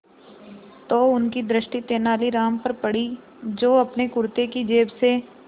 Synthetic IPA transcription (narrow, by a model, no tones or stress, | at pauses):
t̪oːʊnkid̪ɾɪʃʈit̪eːnaːliɾaːmpɐɾpɐɽi | d͡ʒoːɐpnekʊɾt̪ekid͡ʒeːbse